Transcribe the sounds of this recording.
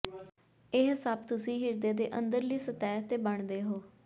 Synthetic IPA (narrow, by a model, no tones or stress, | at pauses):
ɪɦɪsaːbt̪ʊsĩːɦɪɾd̪eːd̪ḛːʔənd̪əɾliːsət̪ɛːt̪eːbəɳd̪eːɦoː